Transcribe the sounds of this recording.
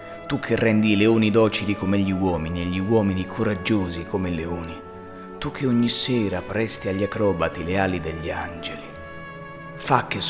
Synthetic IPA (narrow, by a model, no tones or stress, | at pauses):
t̪ukʰːerːɛnd̪ileoːnid̪ɔːt͡ʃilikomeʎːiwɔːminieʎːiwɔːminikʰoɾad͡ʒːoːzikomeleoːni | t̪ukʰːeoɲːisːɛːɾapɾɛst̪iaʎːakɾɔːbat̪ileaːlid̪eʎːiand͡ʒeli | fakːes